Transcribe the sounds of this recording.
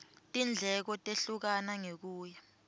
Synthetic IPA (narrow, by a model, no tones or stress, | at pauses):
tʼind͡ɮʱɛk̬ɔtʼeɬuk̬anaŋek̬uːja